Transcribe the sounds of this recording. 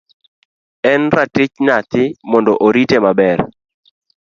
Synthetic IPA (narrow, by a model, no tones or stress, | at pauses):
ɛnɾatɪt͡ʃnat̪ɪmɔndɔʔoɾitemabɛr